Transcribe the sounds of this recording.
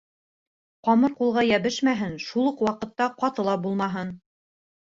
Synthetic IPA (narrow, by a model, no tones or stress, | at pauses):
qɑmɤɾqulˠʁɑjæβɘʃmæɦɘnʃulˠuqwɑqɤ̆t̪ːɑqɑt̪ɤ̆lˠɑbulˠmɑɦɤn